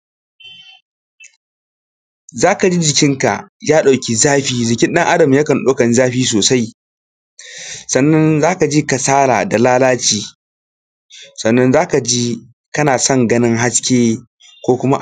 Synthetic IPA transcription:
zaː˦ka˨d͡ʒi˦d͡ʒɪ˨kʲɪ˦ŋka̰˨jaː˦ɗa˨wkʲi˨zaː˦ɸiː˦d͡ʒɪ˨kʲɪ˦nɗɐ˦ŋʔa˦dɐ˨mjɐ˦kɐ˨nɗoː˦kɐ˨nzaː˦ɸiː˦s̬oː˨sa˦j | sɐ˨nːɐ˦nzaː˦ka˨d͡ʒi˦ka˨saː˦ɾa̰ː˨da˨laː˦laː˦t͡ʃiː˨ | sɐ˨nːɐ˦nzaː˦ka˨d͡ʒi˦ | kɐ˦naː˨sɔ˦˨ŋɡɐ˦nɪ˦ŋɦa˦skʲeː˦ | kʷoː˦kʷʊ˦ma˦

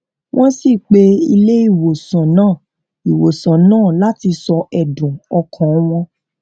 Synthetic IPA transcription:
wʔɔ̃˦si˦˨k͡pe˧ḭ˧le˦i˦˨wo˨sã˨nãː˦˨ | i˨wo˨sã˨nãː˦˨la˦ti˧sɔ˧ʔɛ˨dũ˨ɔ˧kʰã˨˦w̃ɔ̃˧

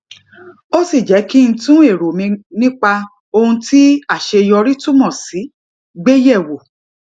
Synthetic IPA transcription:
o˦si˦˨d͡ʒɛ˨˦ki˦ñ̩˧tũ˦e˦˨ɾo˨mĩ˧nĩ˦k͡pa˧ | o˧hũ˧ti˦a˦˨ʃe˧jɔ˧ɾi˦tu˦mɔ̃˦˨si˨˦ | ɡ͡be˦jɛ˦˨wo˨

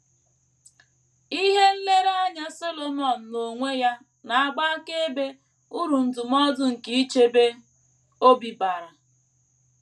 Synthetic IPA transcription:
i˦ɦe˦n̩˦le˦ɾa˦ɲa˦so˦lo˨mɔ˨n̩˨no˨ŋʷe˦ja˦ | na˨a˦ɡ͡ba˦ke˦be˦ | u˦ɾu˨n̩˨tʊ˨mɔ˦dʊ˦ŋ̩˨ki˦i˦t͡ʃe˦be˦ | o˦bi˨ba˨ɾa˨

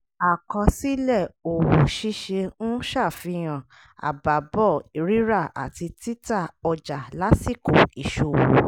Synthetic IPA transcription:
a˨kɔ̃˧si˦lɛ˦˨o˨wo˨ʃi˦ʃe˧ñ̩˦ʃa˦˨fi˧j̃ã˨ | a̰˨ba˨bɔ˦˨i˨ɾi˦ɾa˦˨a̰˨ti˧ti˦ta˦˨ɔ˧d͡ʒa˨la˨˦si˦˨ko˨i˨ʃo˨wo˨

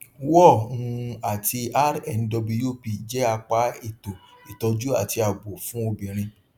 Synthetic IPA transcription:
wɔ˦˨ũ˧a˨ti˧a˦ɾɛ˦˨n̩˦dɔ˧bu˧jo˦˨pi˧˨d͡ʒɛ˨˦a˧k͡pa˨˦i˦˨to˨i˨tɔ˧d͡ʒu˦a̰˦˨ti˧a˨ɡ͡bo˨fũ˦o˧bĩ˨ɾ̃ĩ˧

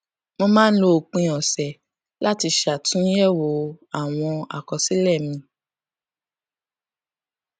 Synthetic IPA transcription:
mɔ̃˧mãː˦n̩˦lo˧˨k͡pĩ˧ɔ˨sɛ˨ | la˦ti˧ʃa˨tũ˦jɛ˦˨wo˨a˦˨w̃ɔ̃˧a̰˨kɔ˨si˨˦lɛ˦˨mĩ˧

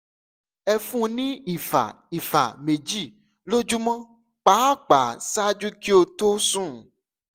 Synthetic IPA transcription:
ɛ˧fũ˦˧nĩ˦i˨fa̰˨ | i˨fa̰˨me˨d͡ʒi˦˨ | lo˦d͡ʒu˦mã˦ | k͡pa˨˦˨k͡pa˨sa˦d͡ʒu˦ki˦o˧to˦sũ˦˨

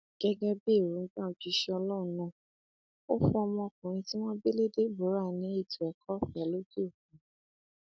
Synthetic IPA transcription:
ɡ̥ɛ˧ɡɛ˦be˦˨ɾu˨˦ŋ̩˦ɡ͡bã˦o˨d͡ʒui˧˦ʃe˧ɔ˧lɔ˦ũ˨˦nũ˦˨ | o˦fũ˦ɔ˧mɔ̃˧kũ˨ɾ̃ĩ˧ti˦w̃ɔ̃˦be˦le˦de˦bo˨˦ɾa˦˨nĩ˨˦e˦˨tu˨ɛ˨kʰɔ˦fi˨˦ɛ˨˦lo˦d͡ʒe˦o˦˨k̚ũ˨˦

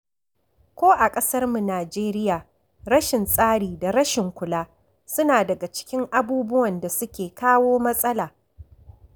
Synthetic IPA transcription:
kʷoː˦ʔa˨kʼɐ˦sɐ˦rmu˨naː˨d͡ʒeː˦ɾɪ˦jaː˨ | ɾɐ˦ʃɪ˨nsʼaː˦ɽiː˨da˨ɾɐ˦ʃɪ˨ŋkʷʊ˨laː˦ | sʊ˦naː˨dɐ˨ɡa˨t͡ʃɪ̥˦kʲɪ˦ŋʔa˨buː˦bʊ˦wɐ˨nda˨sʊ˦kʲeː˨kaː˦woː˦mɐ˦sʼɐ˦laː˨

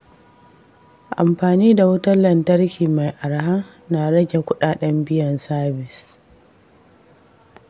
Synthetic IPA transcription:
ʔa̰˨mɸaː˨niː˦da˨wʊ˦tɐ˦lːɐ˨ntɐ˦rkʲiː˨ma˨jʔa˨ɽɦa˦ | naː˨ɽɐ˦ɡʲe˨kʷʊ˦ɗaː˨ɗɐ˦mbɪ˦jɐ˨nsaː˦bɪ˨s

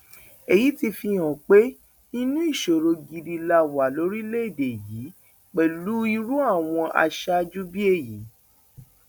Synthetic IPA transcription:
e˨ji˨˦ti˧fi˧jɔ̃˨k͡pe˦ | i˦nũ˦i˦˨ʃo˨ɾo˧ɡi˧di˧la˧wa˨lo˨˦ɾi˦le˦i˦˨de˨jiː˨˦ | k͡pɛ˨lu˨˦i˧ɾu˦a˦˨w̃ɔ̃˧ʔa̰˧ʃa˦d͡ʒu˦bi˦e˦˨ji˨˦

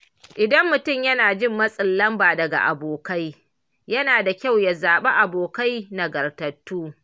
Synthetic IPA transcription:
ʔɪ˨dɐ˦mːʊ˨tʊ˦˨mjɐ˦naː˨d͡ʒɪ˦mːɐ˦sʼɪ˨lːɐ˦mbaː˨dɐ˨ɡa̰˨ʔa̰˨boː˨ka˦j | jɐ˦naː˨da˨kʲa˦˨wja˨zaː˨ɓe˦ʔa˨boː˨ka˦jna˨ɡɐ˨rtɐ˨tːuː˦

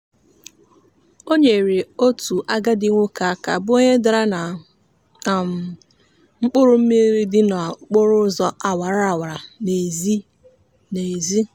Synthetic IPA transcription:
o˦ɲe˨ɾe˨o˦tu˨ʔa˦ɡa˦dɪ˦ŋʷʊ˦ka˨a˦ka̰˨bʊ˦ɲe˦da˨ɾa˦na˨ | m̩˨ | ŋ͡m̩˦k͡pʊ˦ɾʊ˦m̩˦mi˦ɾi˦dɪ˦nɔ˨˦k͡pʊ˦ɾʊ˦zɔ˦ʔa˨wa˨ɾa˦a˨wa˨ɾa˨ne˨zi˦ | ne˨zi˦

